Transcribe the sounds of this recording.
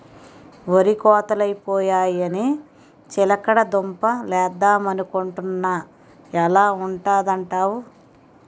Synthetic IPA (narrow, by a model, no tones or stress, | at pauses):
oɾikɔːt̪ɐlɐjpɔːjaːjɐni | t͡ʃilɐkɐɽɐd̪ompɐlɛːd̪aːmɐnukoɳʈunːa | ɛlaːuɳʈaːd̪ɐɳʈaːwu